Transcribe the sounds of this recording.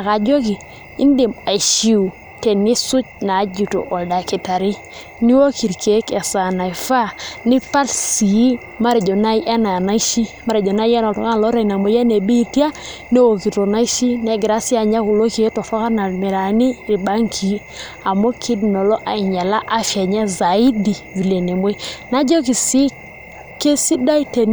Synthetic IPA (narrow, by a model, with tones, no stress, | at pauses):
a˨ka˨d͡ʒo˦ki˨ | i˦nde˨ma˨ʃi˦u˨ | te˨ni˦su˦t͡ʃna˨˦d͡ʒu˨to̰˨ʔo˨lda˨ki˨ta˨ɾi˦ | ni˦wo˦ki˨ɾke˨˦ka˨sa˨na˨jfa˦ni˦pa˦lsi˨i˦ | ma˦ɾe˨d͡ʒo˨na˦jʔa˦na˨na˦i˦ʃi˦ma˦ɾe˨d͡ʒo˨na˦ja˦na˨o˨ŋa˦˨lo˦ɾe˦na˨mo˨ja˦ne˨bi˦˨ti˦a˦ | ne˦wo˨ki˨to˨na˦i˦ʃi˦ne˨ɡɾa˨˦si˦a˨ɲa˦ku˨lo˦ki˨˦to˨fa˦ka˦na˨me˨ɾa˨ni˦ɾi˨ba˦ŋkʰi˨˦ | a˨mo˦kʰi˦dno˨lɔ˦ʔa˨i˨ɲa˨la˦ʔa˦fja˨ɲe˦za˨i˦di˨vi˨le˨ne˨mo˦na˦d͡ʒo˦ki˨si˦ | ke˦si˦da˦i˦te˨n